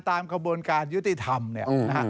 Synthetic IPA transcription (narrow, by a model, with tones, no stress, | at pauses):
t̪aː˧mkʰa˧buː˧ənkaː˧nju˦˥t̪i˧t̪ʰa˧mni˥˩ɐ˧na˦˥ka˦˥